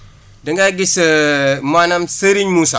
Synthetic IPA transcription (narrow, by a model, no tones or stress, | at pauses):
dəŋɡaɡisəmanamsəɾiɲmusa